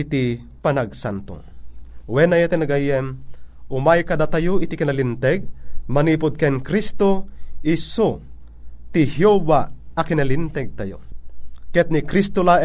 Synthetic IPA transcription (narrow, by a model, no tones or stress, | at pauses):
it̪i | panaɡ̚sa̰nt̪o̰wɛnajat̪ɛnɐɡajɛmʊmajkɐd̪at̪ajoit̪ikinɐlint̪ɛɡ̚mɐniːpʊd̪̚kɛnkɾist̪oiso | t̪ihjobaɐkinɐlint̪ɛɡ̚t̪ajo̰kɛt̪̚nikɾist̪ola